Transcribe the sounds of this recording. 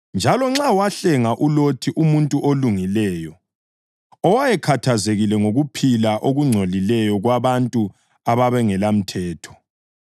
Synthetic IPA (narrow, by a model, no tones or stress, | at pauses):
nd͡ʒʱalɔŋ͡ǁawaɬɛŋaʔulotʰiʔumuntʼuʔoluŋilɛːjɔ | ɔwajɛkʰatʰazeɣilɛŋoɣupʰilaʔoɣuŋ͡ǀʱolilɛjɔɣwaβantʼu | aβaβɛŋɛlam̩tʰɛːtʰɔ̥